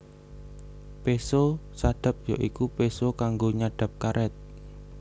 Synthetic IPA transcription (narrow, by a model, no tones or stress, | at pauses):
pesosaɖ̥a̤p̚joʔikupesokaŋɡoɲaɖ̥a̤p̚kaɾʔɛt̪̚